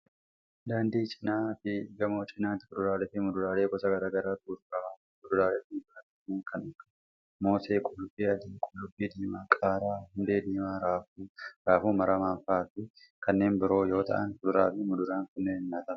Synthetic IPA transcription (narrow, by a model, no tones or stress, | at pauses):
d̪aːnd̪iːt͡ʃʼɪ̥naːfɪɡɐmo̞ːt͡ʃʼɪnaːt̪ɪkʼʊd̪ʊɾaːlɛfɪmʊd̪ʊɾaːleːkɔsɐɡɐɾaːɡɐɾaːt̪uːɾɾɐ | kʊd̪ʊɾaːlɛt̪ɪbat̪ɐnːeːŋkɐnɐkːɐ̥ | mo̞ːseːkʼʊlʊbiːɐd̪iːkʼʊlːʊbːiːd̪iːmaːkʼaːɾaːhʊnd̪e̞ːd̪iːmaɾaːfuːɾaːfuːmɐɾɐmaːnfaːt̪ɪ | kɐnːe̞ːmbɪɾo̞ːjo̞ːt̪ɐ̰ʔɐnhʊd̪ʊɾaːfɪmʊd̪ʊɾaːŋkʊnːeːɪnːaːt̪ɐ